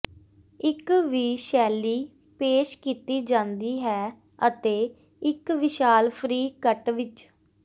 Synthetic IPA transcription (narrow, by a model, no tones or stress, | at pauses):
ɪkʋiːʃɛːliː | peːʃkiːt̪iːd͡ʒãːnd̪iːɦɛː | ət̪eː | ɪkʋɪʃaːlpʰɾiːkəʈʋɪt͡ʃ